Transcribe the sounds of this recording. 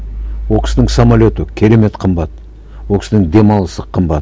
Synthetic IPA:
wokʲɪ̥sɪnɪŋsamalʲo̞t̪əkʲʰe̞ɾe̞me̞t̪qʰəmbɑt̪̚ | wo̞kʲɪ̥sɪnɪŋd̪e̞mɑlˠəsəqʰːəmbɑt̪

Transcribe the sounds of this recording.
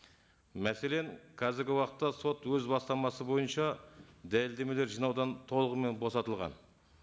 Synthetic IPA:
mæse̞le̞ŋkʰɑzɪɾɡʲɪwɑqət̪ːɑso̞t̪wɵzbɑst̪ɑmɑsəbo̞jənʃɑd̪ælɪld̪e̞me̞le̞ɾʒijnɑwd̪ɑnt̪ʰo̞lˠəʁəme̞nbo̞sɑt̪əlˠʁɑ̰n

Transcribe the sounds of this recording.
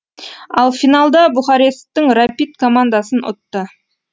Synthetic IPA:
ɑlˠfinalˠd̪ɑbʊχɑɾes̚t̪ːəŋrapit̪kʰomand̪asənʊ̰t̪ːə

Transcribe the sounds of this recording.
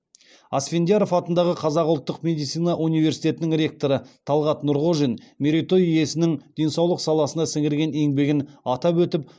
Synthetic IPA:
ɑsfʲend̪ijaɾo̞fɑt̪ənd̪ɑʁəqʰɑzɑqʊlˠt̪ːəqme̞d̪ijt̪sijnɑʔunijve̞rsijt̪ʲe̞t̪ɪnɪŋɾʲe̞k̚t̪o̞ɾət̪ʰɑlˠʁɑt̪nʊɾʁoʒinmʲeɾit̪o̞jije̞sɪnɪŋd̪̥e̞nsɑwlˠəqsɑlˠɑsənd̪ɑsɪŋɡɪɾɡʲe̞ne̞ŋbe̞ɡʲɪnɑt̪ɑpwɵt̪ɪp̚

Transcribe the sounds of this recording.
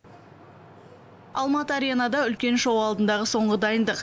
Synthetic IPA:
ɑlˠmɑt̪əɑɾijanɑd̪ɑʏlkʲe̞nʃowɑlˠd̪ənd̪ɑʁəso̞ɴʁəd̪ɑjənd̪əq

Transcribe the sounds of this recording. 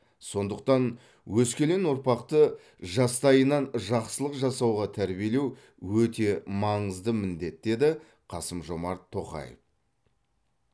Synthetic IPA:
so̞nd̪əq̚t̪ɑn | wɵskʲe̞le̞nʊɾpɑqt̪ə | ʒɑst̪ɑjənɑnʒɑqsəlˠəqʒɑsɑwʁɑt̪ʰæɾbie̞le̞w | wɵt̪e̞mɑɴəzd̪əmɪnd̪e̞t̪̚d̪e̞d̪ɪ | qʰɑsəmʒo̞mɑɾt̪ʰːo̞qɑ̰jḛf

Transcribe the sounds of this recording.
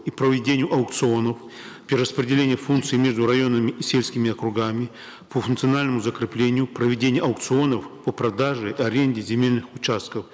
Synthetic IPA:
ipɾəvʲɪdʲenʲɪjʊʔɐʊkt̪sɨo̞nəf | pʲɪɾəspɾʲɪdʲɪlʲenʲɪjəfunk̪sɨɪmʲe̞ʐd̪ʊɾɐjo̞nəmʲɪʔisʲelʲsʲkʲɪmʲɪɐkɾʊɡamʲɪ | pəfʊnkt̪sɨɐnalʲnəmʊzəkɾʲɪplʲenʲɪjʊpɾəvʲɪdʲenʲɪjɐʊkt̪sɨo̞nəfpəpɾɐd̪aʐɨiɐɾʲenʲdʲɪzʲɪmʲelʲnɨxʊt͡ɕast̪̚kəf

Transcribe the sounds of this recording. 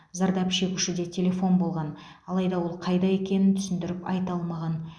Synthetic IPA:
zɑɾd̪ɑpʃe̞kʲuʃɪd̪e̞t̪ʲʰe̞lʲe̞fo̞nbo̞lˠʁɑn | ɑlˠɑjd̪ɑwo̞lˠqʰɑjd̪ɑe̞kʲe̞nɪnt̪ʰʏ̥sɪnd̪ɪɾɪpɑ̰jt̪ɑlˠmɑʁɑn

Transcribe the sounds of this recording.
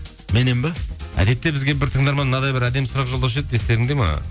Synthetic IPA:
me̞nembeæ̰d̪e̞t̪ːe̞bɪzɡʲe̞bɪɾt̪ʰəŋd̪ɑɾmɑnnɑd̪ɑjbɪɾæd̪e̞msʊɾɑqʒold̪ɑwʃ̬ed̪ɪd̪est̪e̞ɾɪŋd̪e̞mɑ̰

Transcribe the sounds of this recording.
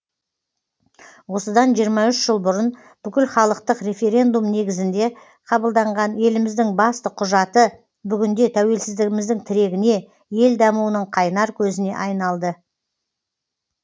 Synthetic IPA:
wo̞səd̪ɑnʒijəɾmɑʏʃʒ̥əlˠbʊɾən | b̥ʏkʲɪlχɑlˠəqt̪əqɾe̞fe̞ɾʲe̞nd̪umne̞ɡʲɪzɪnd̪e̞ | qʰɑbəlˠd̪ɑɴʁɑnje̞lɪmɪzd̪ɪŋbɑst̪əqʰʊʒɑt̪ə | bʏɡʲɪnd̪e̞t̪ʰæwe̞lsɪzd̪ɪɡʲɪmɪzd̪ɪŋt̪ʰɪɾe̞ɡʲɪne̞ | je̞ld̪ɑmuwənəɴqʰɑjnɑɾkʲʰɵzɪne̞̰ʔɑjnɑlˠd̪ə

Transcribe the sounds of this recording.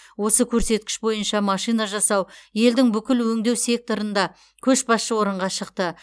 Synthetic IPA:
wo̞səkʲʰɵɾse̞t̪̚kʲɪ̥ʃbo̞jənʃɑmɑʃijnɑʒɑsɑwje̞ld̪ɪŋbʏkʲɪlwɵŋd̪e̞wse̞k̚t̪o̞ɾənd̪ɑ | kʲʰɵʃbɑsʃəwo̞ɾəɴʁɑʃəqt̪ə

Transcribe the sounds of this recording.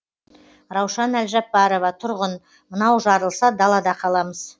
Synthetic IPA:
ɾɑwʃɑnælʒɑpːɑɾo̞vɑt̪ʰʊɾʁən | mənɑwʒɑɾəlˠsɑd̪ɑlˠɑd̪ɑqʰɑlˠɑməz̥

